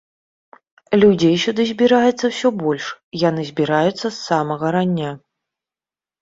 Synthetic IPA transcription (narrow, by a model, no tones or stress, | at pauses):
lʲud͡zʲejsʲɔd̪ɨzʲbʲiɾajɛt̪sːɐwsʲɔbɔlʲʂjan̪ɨzʲbʲiɾajut̪sːɐsːamɐɣɐɾanʲːa